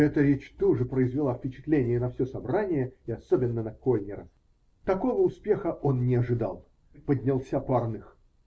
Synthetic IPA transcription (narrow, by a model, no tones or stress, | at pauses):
ɛt̪əɾʲet͡ɕt̪uʐɨpɾəɪzvʲɪlˠafʲpʲɪt͡ɕɪ̥t̪lʲenʲɪjənɐfsʲosɐbɾanʲɪjəɪɐsobʲɪnːənɐko̞lʲnʲɪɾə̰f | t̪ɐko̞vəʊspʲe̞xəʔo̞nnʲɪɐʐɨd̪a̰lˠ | pəd̪ʲnʲɪlˠsʲaparnɨx